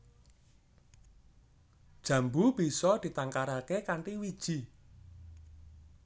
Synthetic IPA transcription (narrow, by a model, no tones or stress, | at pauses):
d̥ʒ̥ä̤mbub̥i̤sɔd̪̥i̤t̪aŋkaɾakekaɳʈiwid̥ʒ̥i̤